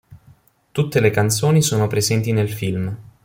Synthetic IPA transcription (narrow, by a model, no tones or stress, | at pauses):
t̪ut̪ːelekant̪soːnisoːnopɾezɛnt̪inelfilm